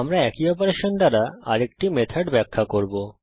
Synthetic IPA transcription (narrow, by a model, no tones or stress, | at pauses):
amɾaɛkiɔpoɾeʃond̪aɾaa̰ɾek̚ʈimet̪ʰaɖbɛkʰːakoɾbo